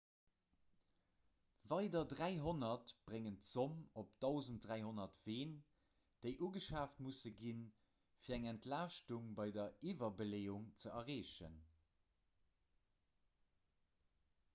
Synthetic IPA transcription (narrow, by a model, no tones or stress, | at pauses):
vɑɪdɐdʁæɪɦonɐtb̥ʁeŋəntz̥omop̚d̥ɑʊzəntdʁæɪɦonɐtv̥eːn | d̥eɪʔuːɡəʃaːftmusəɡin | fiːɐæŋɛntlaːʃtuŋbɑɪdɐivɐbəleːuŋt͡səʔɐʁeːʃə̰n